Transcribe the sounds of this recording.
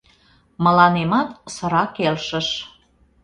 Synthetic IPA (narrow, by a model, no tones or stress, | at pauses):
mə̆lɑnemɑt̪sə̆ɾɑkelʃəʃ